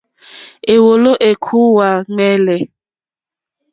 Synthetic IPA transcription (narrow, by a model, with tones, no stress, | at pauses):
e˨wo˨lo˦ʔe˨kʰu˦wa˨ŋ͡mɛ˦lɛ˨